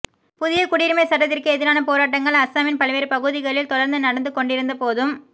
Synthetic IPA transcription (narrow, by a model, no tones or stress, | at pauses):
pʊðɪjɐkʊɽiːɾɯmɐɪsɐʈ̬ːɐt̪ːɪrkɯɛðɪɾaːnɐpoːɾaːʈ̬ːɐŋɡɐɭɐsaːmɪnpɐlʋeːɾpɐɣɯðɪɣɐɭɪlt̪ɔɽɐɾnd̪ɯnɐɽɐnd̪ɯkɔɳɖɪɾɯnd̪ɐpoːðɯm